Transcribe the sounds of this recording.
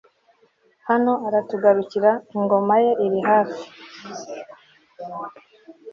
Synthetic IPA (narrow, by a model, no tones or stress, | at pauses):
hano̞aɾatuɡaɾuciɾaiŋɡo̞maje̞ʔiɾiɦaːfi